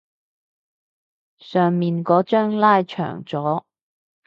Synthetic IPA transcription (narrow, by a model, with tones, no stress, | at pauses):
sœː˨ŋmiː˨nkɔː˨˥t͡ʃœː˥ŋlaː˥jt͡ʃʰœ̰ː˨˩ŋt͡sɔː˨˥